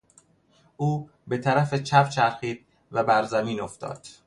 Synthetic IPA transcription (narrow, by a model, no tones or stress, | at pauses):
ʔuː | be̞t̪ʰæɾæfet͡ʃʰæpt͡ʃʰæɾxiːd̪̥̚ | væbæɾzæmiːnoft̪ɒ̰ːd̪̥